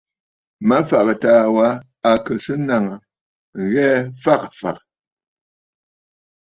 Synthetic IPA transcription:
ma˦fa˨kə˨taː˨wa˨˦ | a˨kə˨sɨ˦na˨ŋə˨ | ɣɛ˦fa˦k̚fa̰˨k

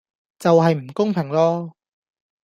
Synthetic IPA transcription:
t͡sɐ˨wɦɐ˨jm̩˨˩kʊ˥ŋpʰɪ˨˩ŋlɔː˥

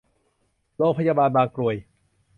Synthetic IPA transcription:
loː˧pʰa˥jaː˧˩ɓaː˧nɓaː˧nkɾu˧əj

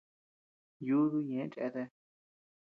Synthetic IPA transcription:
ju˦ðu˧ɲẽ˨˦t͡ʃʼḛ˧t̪e˧

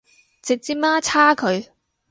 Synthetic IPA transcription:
t͡sɪ˨k̚t͡siː˥maː˥t͡sʰaː˥kʰɵ˨˧ɥ

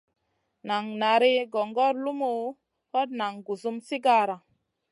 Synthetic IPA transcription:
na˨ŋna˨ɾi˦ɡo˨ŋɡɔ˦ɾlu˦mu˨ | ho˦t̚na˨ŋɡu˨zu˦msi˦ɡa˦ɾa˨

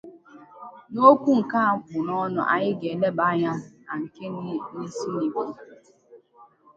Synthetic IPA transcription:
no˦kʷu˦ŋ̩˨ka˦a˨kʊ˨nɔ˦nɔ̰˨ʔa̰˨ɲɪ˦ɡe˨e˨le˦ba˦ɲa˦na˨ŋ̩˨ke˦ni˦ni˦si˦ni˨ku˦˨

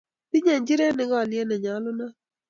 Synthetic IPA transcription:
pɪ˦ɲɛ˨ɲd͡ʒɪ˦ɾɛ˦nɪ˦ɡɔ˦˨lɪ˦ɛ˦nɛ˨ɲa˨˦lʊ˦na˦

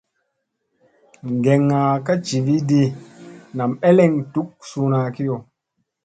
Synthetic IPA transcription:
ŋɡe˨ŋːa˨ka˦t͡ʃi˨vi˦di˦na˨me˦le˨ŋtu˦k̚su˦na˨ki˦jo˨

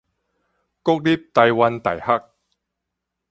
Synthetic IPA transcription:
kʊ˥k̚li˥p̚t̪ɐ˧jwɐ˧nt̪ɐ̰˨˩jhɐ˦˥k̚

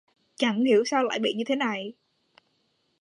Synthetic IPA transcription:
t͡ɕa˧˩ŋhi˧˩əwsaː˧wla̰ː˧˨jɓḭ˧˨ɲɨ˧t̪ʰe˨˦na˨˩j

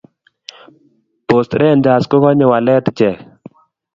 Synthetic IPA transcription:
po˨st̪ɾʔɛ˦˨nd͡ʒaː˨sko˦kɔ˦ɲe˨wa˨lɛː˦t̪t͡ʃɛ˨

